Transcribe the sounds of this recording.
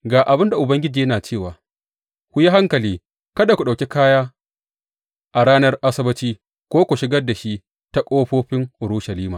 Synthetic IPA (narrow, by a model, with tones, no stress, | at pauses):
ɡaː˨ʔa˨bɪ˦nda˨ʔʊ˨bɐ˦ŋɡʲɪ˦d͡ʒiː˨jɐ˦naː˨t͡ʃeː˦˨waː˨ | kʷʊ˦ja˦ɦa˦ŋkɐ˨liː˦ | kɐ˦da˨kʷu˨ɗa˨kʲi˦kaː˦jaː˦ | ʔa˨ɽaː˦nɐ˦rʔa˦sɪ˦bɐ˦t͡ʃiː˦ | kʷoː˦kʷu˨ʃɪ˦ɡɐ˦da˨ʃi˦ | ta˦kʷʼoː˦ɸoː˦ɸɪ˦ŋʔʊ˨ɾʊ˦ʃɐ˨liː˦maː˨